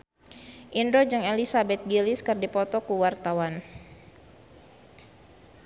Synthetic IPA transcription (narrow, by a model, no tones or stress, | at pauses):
ʔindod͡ʒɨŋelisabɛt̪̚ɡiliskɨrdipɔt̪ɔkuwart̪awan